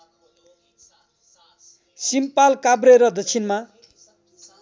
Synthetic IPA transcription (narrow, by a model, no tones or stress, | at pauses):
simpalkabreɾʌd̪ʌt͡sʰinma